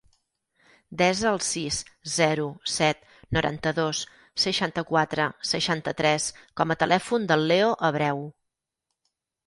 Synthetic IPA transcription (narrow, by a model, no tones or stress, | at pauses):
d̪ɛzəlˠsiszɛɾusɛt̪ | nuɾʔa̰nt̪əðos | səʃant̪əkwat̪ɾəsəʃant̪ət̪ɾɛskɔmət̪əlʔɛfund̪əlˠːeoʔəβɾɛw